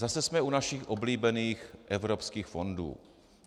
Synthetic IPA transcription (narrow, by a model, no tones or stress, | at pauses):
zasɛsmɛunaʃixʔobliːbɛniːxʔɛvɾopskiːxfo̞ndṵː